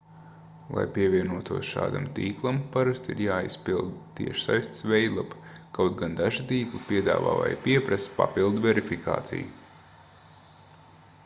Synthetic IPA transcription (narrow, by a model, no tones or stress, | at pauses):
lˠa̰jpiɛvʲiɛnuɔt̪uɔsʃa̰ːd̪a̰mt̪iːklˠampaɾast̪ḭɾjaːispilˠd̪t̪ḭɛʃsajst̪svɛjd̪lˠapkawt̪ɡand̪aʒit̪iːklˠɨpiɛd̪a̰ːva̰ːva̰jpiɛpɾaspa̰pilˠd̪vʲɛɾifika̰ːt̪sḭju